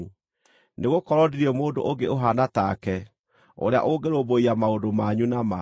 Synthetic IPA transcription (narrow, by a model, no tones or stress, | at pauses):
neɣokɔɾɔdiɾiɛmoːdo̰ʔoɡeoɦanatakɛ | o̰ɾea̰ʔoɡeɾoboiamaodomaɲunama